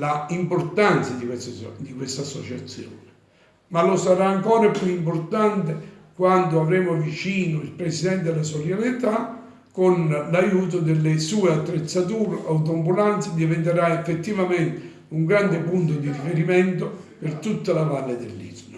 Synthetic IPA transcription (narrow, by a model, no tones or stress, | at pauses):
laimpoɾt̪ant̪sad̪isd̪ikwest̪asːɔt͡ʃat̪sːjo̰ːne | malosaɾaːŋkɔːɾapjuimport̪ant̪ekwand̪ʊavɾɛmʊvit͡ʃiːnʊilpɾesid̪ɛnt̪̬ed̪elasoɾjalit̪a | konlajuːt̪̬ʊd̪elːesuːeat̪ːɾet̪sːat̪̬uːɾeʔawt̪̬ombulant̪sɪd̪ivent̪eɾaefːet̪ːivament̪ɪ | uŋɡɾand̪epunt̪ʊd̪iɾifeɾiment̪ʊpert̪ut̪ːalavalːed̪elːḭzno